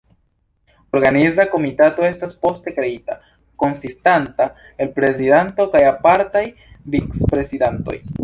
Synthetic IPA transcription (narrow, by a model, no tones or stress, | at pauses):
oɾɡanizako̞mitato̞e̞staspo̞ste̞kɾe̞ita | ko̞nsistanta | e̞lpɾe̞zidanto̞kajapaɾtaj | vikspɾe̞sidanto̞̰j